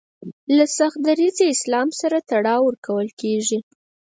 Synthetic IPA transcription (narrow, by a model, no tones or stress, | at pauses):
lasaxd̪aɾizeɪslɑmsaɾat̪aɽɑwəɾkawəlkeʐi